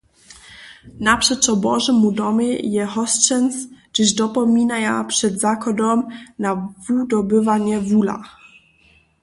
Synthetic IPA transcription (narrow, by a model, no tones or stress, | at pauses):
napʂɛt͡ʂɔbɔʐɛmud̪ɔməjɛɦɔst͡ʂɛnsd͡ʒ̥ɘʑd̪ɔpɔmʲinajapʂɛd̪zakɔd̪ɔmnavud̪ɔbɘvaɲɛvula̰